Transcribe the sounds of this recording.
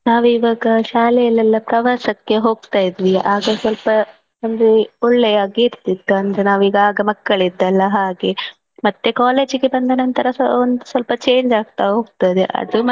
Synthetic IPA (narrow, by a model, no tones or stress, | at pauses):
naːʋuiʋaːɡɐʃaːlɛjɐlɛlːɐpɾɐʋaːsɐkːe̞ɦo̞ːɡ̚t̪aːjid̪ʋiaːɡɐsʋɐlpɐ | ɐnd̪eɔɭːɛjaːɡiːɾt̪id̪ːuɐnɐɾenaːʋiːɡɐaːɡɐmɐkːɐɭid̪ːɐlːɐɦaːɡe̞ | mɐt̪ːe̞kaːle̞ːd͡ʒɡe̞bɐnd̪ɐnɐnt̪ʰɐɾɐond̪usʋɐlpɐt͡ʃe̞ːɲd͡ʒaːɡ̚t̪aɦo̞ːɡ̚t̪ajd̪ḛʔɐ̰d̪u